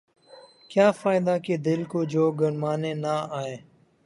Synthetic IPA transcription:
kjaːfaːɪd̪aːkeːd̪ɪlkod͡ʒoːɡəɾmaːneːnaːaːeː

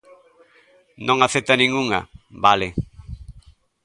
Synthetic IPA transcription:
nõŋaθet̪anĩŋuŋa̰balɪ

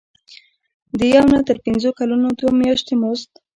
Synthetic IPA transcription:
d̪əjawnat̪əɾpɪnzokalunod̪womjɑʃt̪emost̪̚

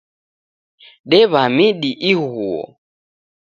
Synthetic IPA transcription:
ɗɛβamiɗiʔiɣuɔ̰

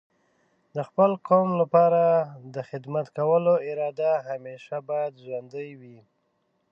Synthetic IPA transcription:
d̪əxpəlkʰomlapɑɾad̪əxɪd̪mat̪kawəloɪɾɑd̪aɦameʃabɑjad̪ʒwand̪əjwi

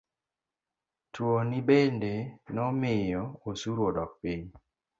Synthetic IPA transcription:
twonibendenɔmɪjɔosuɾwodɔk̚piɲ

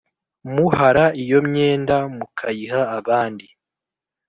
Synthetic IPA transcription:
muhaɾaijo̞mɲeːndamukʰajiɦaːβaːndi

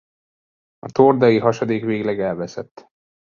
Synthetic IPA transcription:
ɒt̪ord̪ɒjiɦɒʃod̪eːkʋeːɡlɛɡɛlvɛsɛt̪ː

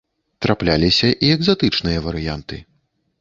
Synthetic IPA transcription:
t̪ɾʔaplʲalʲisʲɐʔiɛɡzat̪ɨt͡ʂnɨjɐvɐɾɨjant̪ɨ̰

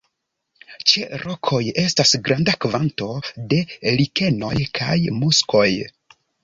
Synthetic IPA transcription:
t͡ʃeɾʔo̞kʰo̞je̞stasɡɾandakvanto̞de̞like̞no̞̰jkʰa̰jmusko̞j

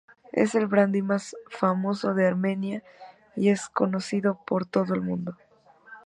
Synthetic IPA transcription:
ḛse̞lβɾand̪imasfamo̞so̞ðe̞aɾmẽ̞nja | ie̞sko̞no̞siðo̞po̞ɾt̪o̞ðoe̞lmũnd̪o̞

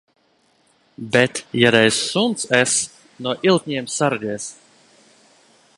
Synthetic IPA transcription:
bɛt̪jad̪ɛjsːunt̪sɛs | nuɔʔilˠt̪̚ʲɲʲiɛmsaɾd̪iɛs

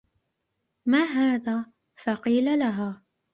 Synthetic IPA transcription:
maːɦaːðaː | fɑqiːlalaɦaː

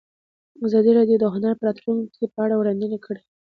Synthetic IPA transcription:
azɑd̪iɾɑd̪jod̪əɦʊnaɾpəɾɑt̪luŋkʰepəaɽawɽɑnd̪ənakʰəɽe

